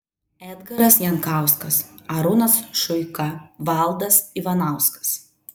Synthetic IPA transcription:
ɛd̪ɡɐɾɐsjɛŋkɑˑʊskɐsɐɾʊnɐsʃʊɪkɐʋɑˑlˠd̪ɐsiʋɐnɑˑʊskɐ̥s

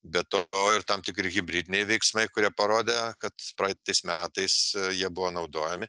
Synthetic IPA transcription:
bʲɛt̪ooːɪɾt̪ɐmt̪ʲɪkɾʲɪɣʲɪbʲɾʲid̪ʲɪnʲɛɪʋʲɛɪksmɐɪkʊɾʲiɛpɐɾoːd̪ʲekɐt̪pɾɐɪt̪ɐɪsmʲæːt̪ɐɪsjiɛbʊʋoːnɐʊd̪oːjɛmʲɪ

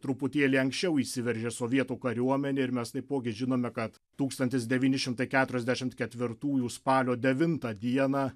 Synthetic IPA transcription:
t̪ɾʊpʊt̪ʲeːlʲiɪɐŋksʲt͡ʃʲɛʊiːsʲɪʋʲɛɾʲʒʲeːsoːʋʲiɛt̪uːkɐɾʲuɔmʲɛnʲeːɪɾmʲɛst̪ɐɪppoːɡʲɪʒʲɪnoːmʲɛkɐt̪ | t̪uːkst̪ɐnʲt̪ʲɪs̬d̪ʲɛʋʲiːnʲɪʃʲɪmt̪ɐɪkʲæːt̪ʊɾʲɛzʲd̪ʲæʃʲɪmt̪kʲɛt̪ʲʋʲɪɾt̪uːjuːspɑːlʲoːd̪ʲɛʋʲɪnt̪ɐd̪ʲiɛnɑː

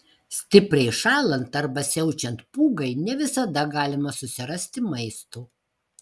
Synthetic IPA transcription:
sʲt̪ʲɪpʲɾʲɛɪʃɑːlˠɐnt̪ɐɾbɐsʲɛʊt͡ʃʲɛnt̪puːɡɐɪnʲɛʋʲɪsɐd̪ɐɡɑːlʲɪmɐsʊsʲɪɾɐsʲt̪ʲɪmɐɪst̪uː

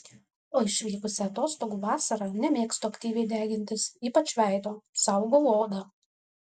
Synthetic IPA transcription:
oːɪʃʲʋʲiːkʊsʲɛɐt̪oːst̪oːɡuːʋɑːsɐɾɑːnʲɛmʲeːkst̪oɐkt̪ʲiːʋʲɛɪd̪ʲæːɡʲɪnʲt̪ʲɪsiːpɐt͡ʃʲʋʲæˑɪd̪oːsɑʊɡoːloːd̪ɐ

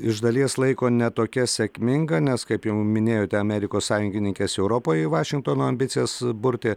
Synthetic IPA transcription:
ɪʒd̪ɐlʲiɛslˠɐɪkoːnʲɛt̪oːkʲɛsʲɛkʲmʲɪŋɡɐnʲɛskɐɪpjɛʊmʲɪnʲeːjoːt̪ʲɛɐmʲɛɾʲɪkoːssɑːjʊŋɡʲɪnʲɪŋkʲɛsɛʊɾoːpoːjɪʋɑːʃʲɪŋk̚t̪oːnoːɐmʲbʲɪt̪sʲɪjɛsbʊɾʲt̪ʲeː

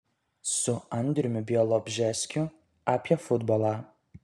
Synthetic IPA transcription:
sʊɐnʲd̪ʲɾʲʊmʲʊbʲijɔlˠɔbʲʒʲɛsʲkʲʊ | aːpʲiɛfʊd̪bɔlˠɑ

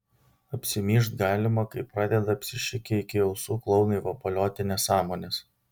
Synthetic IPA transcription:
ɐpʲsʲɪmʲiːʃt̪ɡɑːlʲɪmɐkɐɪpːɾɑːd̪ʲɛd̪ɐɐpʲsʲɪʃʲɪkʲɪɪkʲɪɛʊsuːklˠɒʊnɐɪʋɐpɐlʲoːt̪ʲɪnʲɛsɑːmoːnʲes

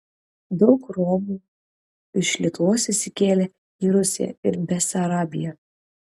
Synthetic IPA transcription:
d̪ɒʊkɾɔmuː | ɪʃlʲiɛt̪ʊʋoːsɪsʲɪkʲeːlʲe | iːɾʊsʲɪ̰jɛ̰ɪɾbʲɛsɐɾɑːbʲɪ̰jɛ

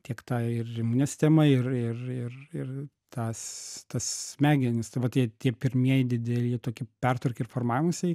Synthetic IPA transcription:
t̪ʲiɛkt̪ɑːɪrɪmuːnʲɛsʲt̪ʲɛmɐɪrɪrɪrɪr | t̪ɑːst̪ɐsmʲæːɡʲɪnʲɪsd̪ɐbɐt̪ʲiɛt̪ʲiɛpʲɪɾʲmʲiɛjd̪ʲɪd̪ʲɛlʲiːt̪oːkʲɪpʲɛrt̪ʋɐɾʲkʲɪɪɾrfoːrmɑːʋʲɪmusʲɛɪ

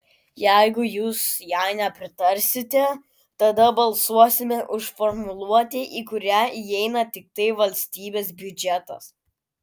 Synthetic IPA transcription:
jæɪɡʊjuːsjæˑɪnʲɛpʲɾʲɪt̪ɐɾʲsʲɪt̪ʲɛ | t̪ɐd̪ɐbɐlˠsuɔsʲɪmʲɛʔʊʃfɔɾmʊlˠuɔt̪ʲeːʔiːkʊɾʲæːiɛɪnɐt̪ʲɪk̚t̪ɐɪʋɐlʲsʲt̪ʲiːbʲeːsbʲʊd͡ʒʲɛt̪ɐ̰s

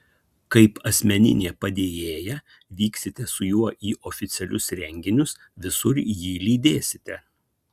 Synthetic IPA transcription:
kɐɪpɐsʲmʲɛnʲɪ̰nʲeːpɐd̪ʲeːjeːjɛ | ʋʲiːksʲɪt̪ʲɛsʊjuɔʔiːʔoːfʲɪt̪sʲɛlʲʊsɾʲɛŋʲɡʲɪnʲʊs | ʋʲɪsʊɾjiːlʲiːd̪ʲeːsʲɪt̪ʲɛ

